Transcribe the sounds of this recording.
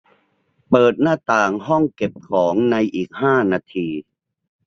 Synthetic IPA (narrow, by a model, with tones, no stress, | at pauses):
pɤː˨˩t̪̚naː˥˩t̪aː˨˩ŋɦɔ˥˩ŋke˨˩p̚kʰɔː˩˦ŋna˧jʔiː˨˩k̚haː˥˩naː˧t̪ʰiː˧